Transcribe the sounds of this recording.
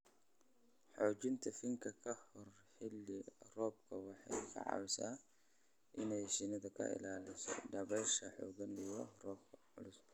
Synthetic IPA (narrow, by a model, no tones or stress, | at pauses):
ħɔːt͡ʃɪnt̪ʰɐfɪŋkʰɐkʰɐhɔr | ħɪlːɪrɔːb̚kʰɐwɑħɑjkʰɐ̰ʕɑ̰wɪsaː | ʔɪnɛjʃɪnɐðɐkʰɐ̰ʔɪ̰laːlɪsɔ̰ɖɐβɛʃɐħɔ̰ːɣɐnijɔrɔːbkʰ | ʊ̰lʊs